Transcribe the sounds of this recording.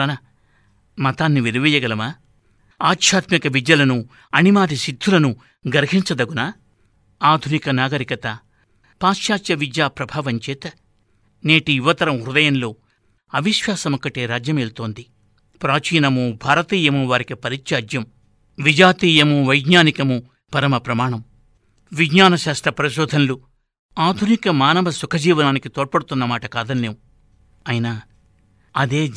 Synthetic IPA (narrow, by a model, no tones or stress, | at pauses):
ɐnɐ | mɐt̪aːnːiʋiɾuʋijɐɡɐlɐmaː | aːtʃʰaːt̪mikɐʋid̪jɐlɐnu | ɐnimaːd̪ʱisid̪ʱːulɐnu | ɡɐɾɦiɲt͡ʃɐd̪ɐɡunɐ | aːd̪ʱunikɐnaːɡɐɾikɐt̪ɐ | paːʃjaːt͡ʃjɐʋid͡ʒjaːpɾɐbʱaːʋɐɲt͡ʃɛːt̪ɐ | neːʈijuʋɐt̪ɐɾɐmuɾud̪ɐjɐnlo̞ː | ɐʋiʃʋaːsɐmɔkːɐʈeːɾaːd͡ʒjɐmelt̪o̞ːnd̪i | pɾaːt͡ʃiːnɐmubʱaːɾɐt̪iːjɐmuʋaːɾikipɐɾit͡ʃt͡ʃaːd͡ʒjɐm | ʋid͡ʒaːt̪iːjɐmuʋɐjɡɲaːnikɐmu | pɐɾɐmɐpɾɐmaːɳɐm | ʋiɡɲaːnɐʃaːsʈ̪ɾɐpɾɐʃoːd̪ʱɐnlu | aːd̪ʱunikɐmaːnɐʋɐsukʰɐd͡ʒiːʋɐnaːnikit̪oːʈ̚pɐɽut̪unːɐmaːʈɐkaːd̪ɐnːeːwu | ɐjinɐ | ɐd̪eː